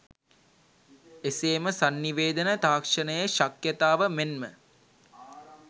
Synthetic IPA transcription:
eseːməsanːiʋeːd̪ənət̪aːkʂənəjəʃakjət̪aːʋəmenmə

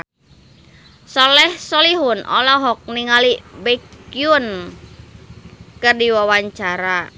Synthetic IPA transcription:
sɔlɛhsɔliɦʊnʔɔ̰lɔɦɔk̚niŋalibɛkjʊn | kɨrdiwawaɲt͡ʃaɾa

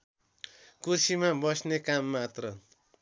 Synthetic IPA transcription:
kursimabʌsnekamːat̪rʌ

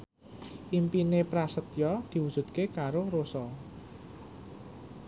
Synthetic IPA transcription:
ʔimpinepɾasət̪jɔd̪̥i̤wud̥ʒ̥ṳt̪̚kekaɾoɾosɔ

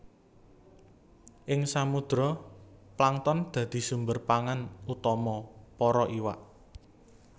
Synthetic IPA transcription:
ʔɪŋsamud̪̥ɾɔplaŋt̪ɔnd̪̥ä̤d̪̥i̤sumbərpaŋanut̪ɔmɔpɔɾɔʔiwa̰ʔ

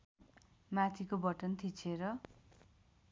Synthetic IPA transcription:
mat̪ʰikobʌʈʌnt̪ʰit͡sʰeɾʌ

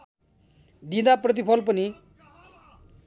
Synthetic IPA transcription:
d̪ĩd̪aprʌt̪̬ipʰʌlp̬ʌni

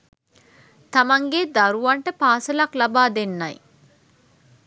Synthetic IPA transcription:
t̪ɐmɐŋɡed̪ɐɾuʋɐɳʈəpaːsɐlɐklɐbaːd̪enːɐj

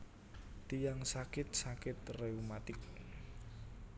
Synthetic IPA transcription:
t̪ijaŋsakɪt̪̚sakɪt̪̚reumat̪ɪk̚

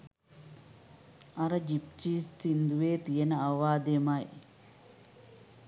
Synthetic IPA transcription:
ɐɾəd͡ʒip̚t͡ʃiːst̪ind̪uʋeːt̪ijenəaʋaːd̪emɐj

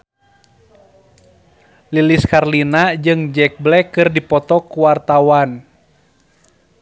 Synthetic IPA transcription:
liliskarlinad͡ʒɨŋd͡ʒɛk̚blɛkɨrdipɔt̪ɔkuwart̪awan

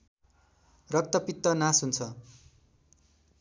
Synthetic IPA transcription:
rʌk̚t̪ʌpit̪ːʌnasunt͡sʰʌ

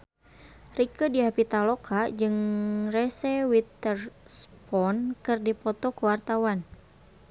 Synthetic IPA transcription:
rikədiapit̪alɔkʰad͡ʒɨŋrɛsɛwit̪ərspɔnkɨrdipɔt̪ɔkuwart̪awan

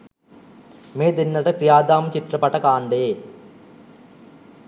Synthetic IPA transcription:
meːd̪enːɐɽɨprijaːd̪aːmt͡ɕiʈrɐpɐʈːɐkaːɳɖeː

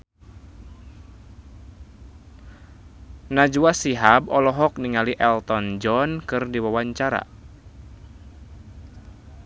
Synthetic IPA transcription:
nad͡ʒuasiɦabɔlɔɦɔk̚niŋaliʔɛlt̪ɔnd͡ʒɔnkɨrdiwawaɲt͡ʃaɾa̰

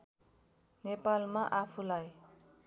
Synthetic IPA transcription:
nepalmaʔapʰulaj

